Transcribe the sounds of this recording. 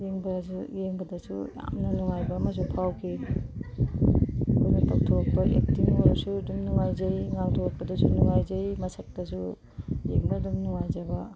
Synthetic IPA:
jeŋbɐzujeŋbɐdɐsuja̰mnɐnuŋajbɐːmɐs̬upʰawkʰi | kʰunupʰak̚tʰok̚pɐʔḛk̚timoɾasudumnuŋajzejŋaŋtʰok̚pɐdɐsunuŋajzejmɐsɐk̚tɐsu | jeŋbɐdumnuŋajzabɐ

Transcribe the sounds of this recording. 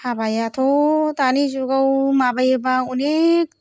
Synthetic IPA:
hʰabajatʰotanizuɡawmabajbaunek̚

